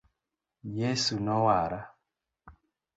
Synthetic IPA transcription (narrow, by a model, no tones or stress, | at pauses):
jesunɔwaɾa